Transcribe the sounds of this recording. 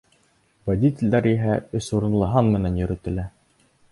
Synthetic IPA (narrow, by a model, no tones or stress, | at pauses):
vɐd̪ʲit̪ʲɘ̆lʲd̪æɾiɦæɵ̆suɾɤ̆nlˠɤ̆ɦɑnmɘ̆nænjɵ̆ɾɘ̆t̪ɘ̆læ